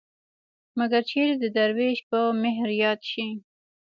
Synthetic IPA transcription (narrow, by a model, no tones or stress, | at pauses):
maɡaɾt͡ʃʰeɾed̪əd̪aɾweʃpəmɪɦɾjɑt̪ʃi